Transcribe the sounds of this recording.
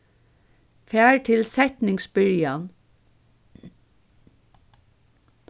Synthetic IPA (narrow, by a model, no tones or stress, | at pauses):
fæːɹt̪ʰɪlsɛt̪nɪŋsbʏɹjan